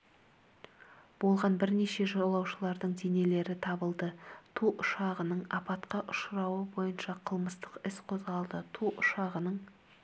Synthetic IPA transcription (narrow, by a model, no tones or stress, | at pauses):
b̥o̞lˠʁɑnbɪɾne̞ʃe̞ʒolˠɑwʃəlˠɑɾd̪əɴd̪ene̞le̞ɾɪt̪ʰɑbəlˠd̪ət̪ʰuʔʊʃɑʁənəɴɑpɑt̪qɑʔʊʃɾɑwəbo̞jənʃɑqʰəlˠməst̪əqɪsqʰo̞zʁɑlˠd̪ət̪ʰuʔʊʃɑʁənəɴ